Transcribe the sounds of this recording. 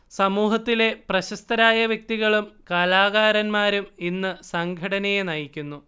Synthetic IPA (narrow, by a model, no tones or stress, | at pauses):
sɐmuːɦɐt̪ːile̞prɐɕɐst̪ɐɾaːjɐʋjɐk̚t̪iɣɐɭumkɐlaːɣaːɾɐnmaːɾuminːɨsɐŋɡʱɐɽɐnejenɐjikʲːunːu